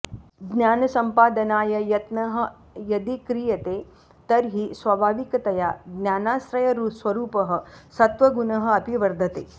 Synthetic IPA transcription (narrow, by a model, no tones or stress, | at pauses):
ɡnjaːnɐsɐmpaːd̪ɐnaːjɐjɐt̪nɐɦɐ̆ | jɐd̪ikɾijɐt̪eː | t̪ɐɾɦisʋɐbʱaːʋikɐt̪ɐjaːɡnʲjaːnaːsɾɐjɐɾusʋɐɾuːpɐɦɐ̆sɐt̪ʋɐɡunɐɦɐ̆ɐpiʋɐɾd̪ʱɐt̪ḛː